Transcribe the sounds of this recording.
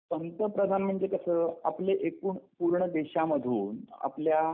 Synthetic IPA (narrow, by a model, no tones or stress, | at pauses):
sənt̪əpɾəd̪ʱanm̤əɳd͡zekəsəːapleʔekuːɳpuɾɳəd̪eɕaməd̪ʱuːna̰plja